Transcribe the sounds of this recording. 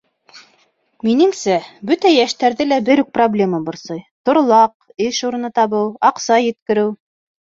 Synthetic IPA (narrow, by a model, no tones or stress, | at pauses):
minɘ̆ŋsæbɵt̪æjæʃt̪æɾðɘlæbɘɾʉk̚problʲe̞mɑbŏɾsɤjt̪ŏɾlˠɑq | ɘʃuɾɤ̆nɤt̪ɑβɤwɑqsɑjɘ̆t̪̚kɘ̆ɾɘw